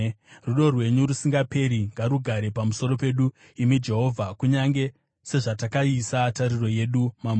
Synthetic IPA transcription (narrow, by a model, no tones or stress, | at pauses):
ruɗo̞rwe̞ɲurusiŋɡape̞ɾiŋɡaɾuɡʱaɾe̞pamuso̞ɾo̞pe̞ɗu | imid͡ʒe̞ɦo̞vʱakuɲaŋɡe̞ | se̞ʐatakaisataɾiro̞je̞ɗumam